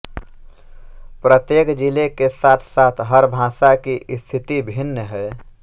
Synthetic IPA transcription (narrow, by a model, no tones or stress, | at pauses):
pɾət̪jeːkd͡ʒilekesaːt̪ʰsaːt̪ʰɦəɾbʱãːsakist̪ʰɪt̪ibʱɪnːəɦɛ